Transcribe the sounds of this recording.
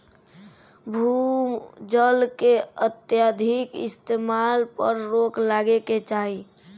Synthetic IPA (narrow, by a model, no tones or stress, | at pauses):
bʱumd͡ʒəlkeət̪jad̪ʱikɪ̰st̪emalpəɾɾoklaɡeket͡ʃaːɦi